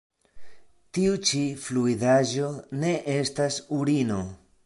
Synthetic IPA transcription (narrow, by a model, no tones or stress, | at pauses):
tiut͡ʃifluidaʒo̞ne̞ʔe̞stasuɾino̞